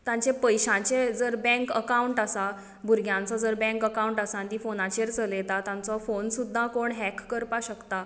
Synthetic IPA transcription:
t̪jãɲt͡sẽpəjɕãt͡ɕẽd͡zəɾbɛ̃ŋkəkauɳʈasa | bʱuɾɡʱjãnt͡sɔd͡zəɾbɛ̃ŋkəkauɳʈasand̪ifonat͡ɕeɾt͡səlet̪at̪ãnt͡sɔfonsud̪ʱːãkoɳɦɛkːəɾpaɕəkt̪a

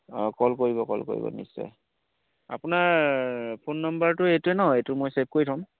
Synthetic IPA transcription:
kɔlkoɹibɔkɔ̰lko̰ɹḭbɔ̰nḭsɔ̰j | a̰pʊnaɹpʰonːɔmbaɹtʊejtuɛnɔɦɔejtʊmɔjsap̚koɹitʰaʊm

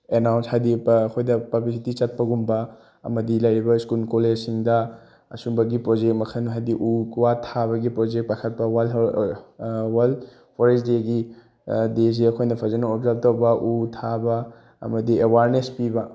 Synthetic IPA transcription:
enawnshajdikʰojdɐpablisitit͡ʃɐt̚pɐɡumbɐ | ɐ̰mɐdilɐjɾibɐskulkolesiŋdɐ | ɐ̰sumbɐɡipɾod͡ʒek̚t̚mɐkʰɐnɦajdiʔukuwatʰabɐɡipɾod͡ʒek̚pakʰɐt̚pɐwal | wal | pʰoɾesdeɡi | des̬eɐkʰojnɐpʰɐzɐnɐobzap̚towbɐʔutʰabɐ | ɐ̰mɐdiewaɾnespibɐ

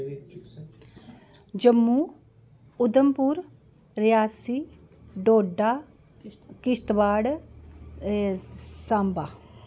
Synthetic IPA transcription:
d͡ʒəmːuː | ʊd̪əmpuɾ | ɾɪjaːsiː | ɖoːɖaː | kɪʃt̪ʋaːɽ | sãːmbaː

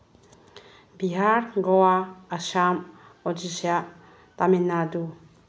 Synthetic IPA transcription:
biɦaɾɡoaaʃam | od͡ʒiʃia | t̪aminad̪u

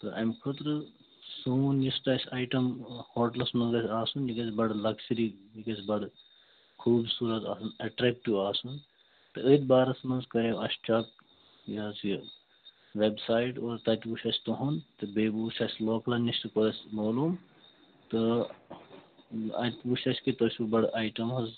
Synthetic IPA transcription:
t̪ɨʔɐ̰jmkʰut̪ɾɨ | sonjist̪ɐːsʲaːjʈɐmhoːʈlɐsmɐɡɐsʲaːsunikɐsbɐɖlɐksɐɾijikɐsbɐɽ | kʰuːbsuːɾɐt̪aːsunɐʈɾek̚ʈiʋaːsun | t̪ɨət̪̚baːɾɐsmɐnzkɐɾeɐst͡ʃɐk̚ | jɐs | ʋebsaːjʈoːɾt̪ɐt̪ʲpuʃɐsʲt̪uɦunt̪ɨbeːbuːʃɐsʲloːklɐnʲist̪ɨkoɾɐsʲmoːlum | t̪ɨ | ɐ̰t̪ʲpuʃɐsʲkit̪oːsʲubɐɽaːjʈɐmɦɐz

